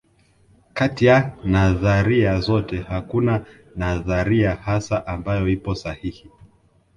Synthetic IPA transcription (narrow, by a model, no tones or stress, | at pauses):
katijanaðaɾiazɔtɛhakuna | naðaɾiahasaʔambajɔipɔsahihi